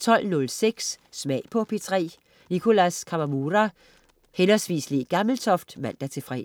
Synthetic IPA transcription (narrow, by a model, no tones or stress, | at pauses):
t͡sʰɒ̽l̰nɔ̽lseɡ̥sːmɛ̰ɪpʰɒ̽pʰet͡sʰʁɛ̰ː | nikʰo̝læskʰɑmæmuːʁa | henɐsʋḭːsliɡ̥ɑ̈ml̩t͡sʰɒ̽fd̥mæn̰d̥æt͡sʰe̝fʁɛ̰